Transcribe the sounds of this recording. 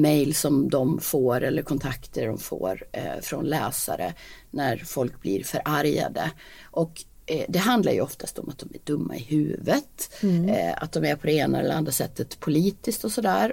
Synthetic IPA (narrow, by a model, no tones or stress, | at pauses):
mɛjlsɔmd̪ɔmfoːɾɛlːəɾkʰɔnt̪ʰakt̪ʰəɖɔmfo̰ːɾfɾɔnlɛːsa̰ɾə̰næɾfɔlk̚blɪɾfœɾʔaɾja̰d̪əʔɔk | d̪ɛɦand̪laɾjɵɔft̪ʰast̪ɔmʔat̪̚d̪ɔmæɖɵmːa̰ɪhʉ̟ːvət̪ | a̰t̪̚d̪ɔmæɾpʰɔd̪ɛeːnaɛ̰lːɛʔand̪ɾasɛt̪ʰːət̪pʰʊliːt̪ɪskt̪ɔsɔd̪æːɾ